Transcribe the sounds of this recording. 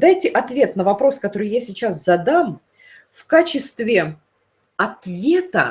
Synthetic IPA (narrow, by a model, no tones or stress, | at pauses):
d̪ajtʲɪʔɐt̪vʲe̞t̪nəvɐpɾo̞skɐt̪o̞ɾɨjasʲɪt͡ɕaszɐd̪am | fkat͡ɕɪst̪vʲɪ | ɐt̪vʲet̪ə̰